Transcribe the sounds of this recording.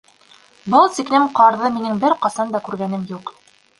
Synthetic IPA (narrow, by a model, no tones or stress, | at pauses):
bɤlˠsiknæmqɑɾðɤminɘŋbɘɾqɑsɑnd̪ɑkʉɾɡænɘmjuq